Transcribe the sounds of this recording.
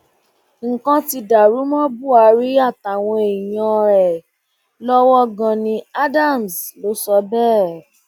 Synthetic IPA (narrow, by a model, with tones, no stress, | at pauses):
ŋ̩˨kã˧ti˧da˨ɾu˨˦mɔ̃˦bu˦˨a˧ɾi˦a˦˨ta˨w̃ɔ̃˧e˨j̃ɔ̃˧ɾɛ˨ | lɔ˦wɔ˦ɡã˧nĩ˧a˦da˦˨m˨slo˨˦sɔ˧˦bɛː˦˨